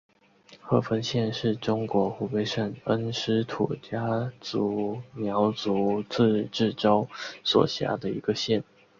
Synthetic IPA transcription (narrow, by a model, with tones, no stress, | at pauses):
xɤ˥˩fə˥nɕjɛ˥˧nʂɻ̩˥˩ʈ͡ʂʊ˥ŋkwɔ˧˥xu˧˥pe˥ɪʂə˥˨˩nə˥nʂɻ̩˥t̪ʰṵ˨˩t͡ɕja˥t͡su˧˥mjɑ˧˥ʊt͡su˧˥˦t͡sɹ̩˥˧ʈ͡ʂɻ̩˥˩ʈ͡ʂo˥ʊswɔ̰˨˩ɕja̰˧˥d̪ə˧i˧˥ɡə˧ɕjɛ˥˩n